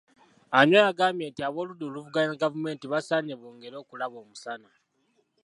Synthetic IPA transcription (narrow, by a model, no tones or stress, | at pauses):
aɲojaɡaːmje̞ːntiaβo̞ːluduluvuɡaɲeɡavume̞ːntiβasaɲeβuːŋɡe̞ɾo̞ːkulaβo̞ːmusana